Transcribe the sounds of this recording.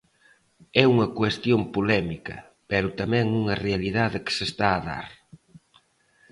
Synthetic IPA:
ɛuŋɐkwest̪jompulɛmikɐ̰ | pɛɾʊt̪amɛ̃ŋuŋɐrealið̞aðɪkɪ̥sest̪aːða̰ɾ

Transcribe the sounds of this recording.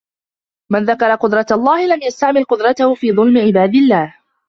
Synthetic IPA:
manðakɑɾˤɑqʊd̪ɾˤɑt̪lˤːɑːhɪlamjast̪aʕmɪlqʊd̪ɾˤɑt̪ahʊfiːðˤʊlmɪʕɪbaːd̪ɪlːaːh

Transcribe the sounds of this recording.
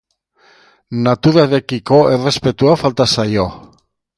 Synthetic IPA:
nat̪uɾaðekiko̞ʔere̞spe̞t̪uafalt̪asajo̞

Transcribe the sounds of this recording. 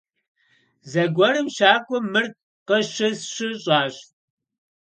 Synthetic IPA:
zɐɡʷɔrɨmʃaːkʷʼɔmɨr̚ | qəɕɪsɕɪɕʼaːɕ

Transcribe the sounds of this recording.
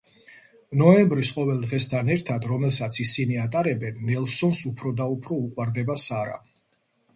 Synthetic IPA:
nɔɛmbɾisqʼɔvɛlˠd̪ʁɛst̪ʰanɛɾt̪ʰad̪ɾɔmɛlˠsat̪sʰisiniat̪ʼaɾɛbɛnːɛlˠsɔnsupʰɾɔd̪aupʰɾɔuqʼwaɾd̪ɛbasaɾa̰

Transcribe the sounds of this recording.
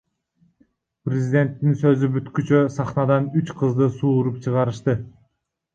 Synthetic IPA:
prʲɪzʲɪd̪ʲe̞nt̪ːinsø̞zybyt̪kyt͡ʃøsɑχnɑd̪ɑnyt͡ʃqʰɯzd̪ɯsuːɾup̚t͡ʃʰɯʁɑɾɯʃt̪ɯ

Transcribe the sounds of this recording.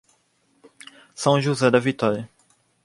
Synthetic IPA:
sɐ̃w̃ʒuzɛd̪ɐvit̪ɔɾj

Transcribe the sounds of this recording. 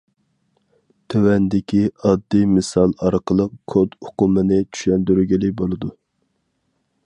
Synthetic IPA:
t̪ʰøwɛnd̪ɪkʲʰiɑd̪ːimɨsɑlˠɑɾqəlˠəqkʰod̪ʊqumɨnɪt͡ʃʰy̥ʃlɛnd̪yɾɡʲilɪk̚ʲbolˠɨd̪u

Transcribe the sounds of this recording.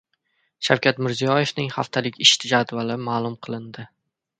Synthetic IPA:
ʃawkʲʰat̪mɪɾzijɒje̞fnɪŋχa̰ft̪ʰalɪkʲɪʃt̪ʰɪd͡ʒad̪valɪmaːlˠʊmqʰɨlˠɪnd̪ɪ

